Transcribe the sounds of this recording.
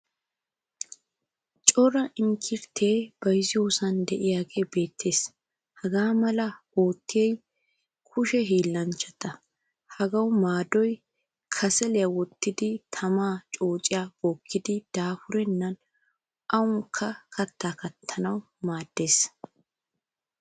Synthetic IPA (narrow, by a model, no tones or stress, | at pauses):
t͡ʃʼɔɾɐʔɪŋkʰɪɾt̪ʰeːb̥ɐjzɪjoːsɐnd̪ɛʔɪjaːɡeːbe̞ːt̪ʰːe̞ːs | hɐɡaːmɐlɐ | oːt̪ːɪjɛj | kʰʊʃɛɦiːlːɐnt͡ʃːɛt̪ɐ | hɐɡɐwʊmaːd̪ɔj | kʰɐsɛlɛjɐwɔt̪ːɪd̪ɪt̪ʰɐmaːt͡ʃʼo̞ːt͡ʃʼɪjab̥oːkʰːɪd̪ɪd̪̥aːfʊɾɛnːɐn | ʔɐwʊŋkʰːɐkʰɐt̪ːaːkɐt̪ʰːɐnɐw | maːd̪ːe̞ːs